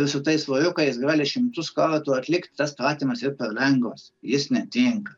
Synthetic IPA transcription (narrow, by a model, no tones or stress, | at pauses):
ɪsʊt̪ɐɪsʋoːjʲʊkɐɪjɪsɡɑːlʲɪʃʲɪmt̪ʊskɑːʋʲɐt̪uːɐt̪ʲlʲɪkt̪ʲt̪ɐspɾɑːt̪ʲiːmɐsirpʲɛɾlʲɛŋɡʋɐsjɪsnʲɛt̪ʲɪŋkɐ